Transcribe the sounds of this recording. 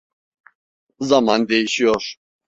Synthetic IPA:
zamand̪ɛiʃiɔʃ

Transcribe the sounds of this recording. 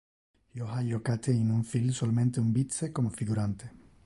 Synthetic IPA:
joɦaʎokat̪ʰeinũɱfilsolmẽnt̪eumbit̪seko̞mofiɣuɾant̪e

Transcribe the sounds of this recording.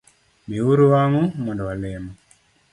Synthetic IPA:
miwuɾuwaŋumɔndɔwalɛmɔ

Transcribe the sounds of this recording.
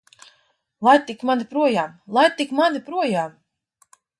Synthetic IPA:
lˠajt̪ːikmanipɾuɔjaːmlˠajt̪ikmanipɾuɔjaːm

